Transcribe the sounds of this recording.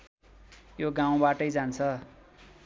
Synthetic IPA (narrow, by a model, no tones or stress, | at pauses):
joɡaw̃baʈʌjd͡zant͡sʰʌ